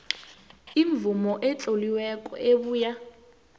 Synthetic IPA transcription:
iɱb̪vumɔʔɛt͡ɬʼoliwɛkʼɔ̰eɓuːja

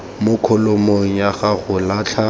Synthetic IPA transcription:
mʊkʰɔlomoŋ̩jaɣaɣʊlaːt͡ɬʰa

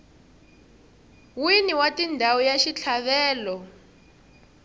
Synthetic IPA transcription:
winiwatindʱawɔjaʃit͡ɬʰaβɛːlɔ

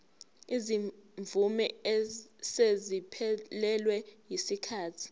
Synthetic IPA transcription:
iziɱvumɛɛsezipʰɛlɛlwɛjisikʰaːtʰi̥

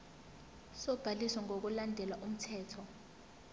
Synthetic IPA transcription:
sɔb̥ʱalisaŋʱok̬ulandʱɛlwaʔum̩tʰɛːtʰɔ

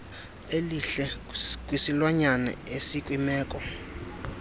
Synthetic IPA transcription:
eliɬɛkʼwisilwaɲanɛ̰esikʼwimɛːkʼɔ

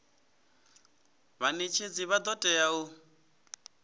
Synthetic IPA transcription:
βanet͡ʃʰed͡ziβad̪ɔtʼɛau

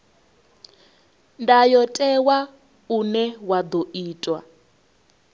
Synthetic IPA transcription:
ndajɔtʼɛwa | unɛwad̪ɔʔiːtʼwa

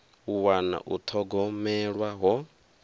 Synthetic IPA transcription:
uwana̰ʔut̪ʰɔɡɔmɛɺwaɦɔ

